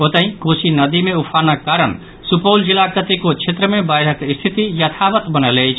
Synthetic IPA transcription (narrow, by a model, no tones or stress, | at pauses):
ot̪əĩkosinəd̪imeupʰanakaɾəɳ | supəwld͡ʒilakɾət̪ikot͡ʃʰet̪ɾəmebajɾəkist̪ʰit̪ijət̪ʰaʋət̪bənəlɛjt͡ʃʰ